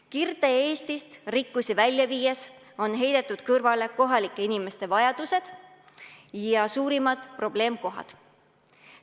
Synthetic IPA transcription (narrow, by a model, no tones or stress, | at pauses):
kird̪̥e̞e̞ːst̪ist̪rikːusʲivælʲjɑviːes | o̞nɦe̞jd̪̥e̞t̪ːˑud̪̥kɤrvɑle̞ko̞ɦɑlikːˑe̞inime̞st̪e̞vɑjɑd̪̥use̞d̪̥ | jɑsuːɾimɑd̪̥pro̞b̥le̞ːmko̞ɦɑ̰d̪̥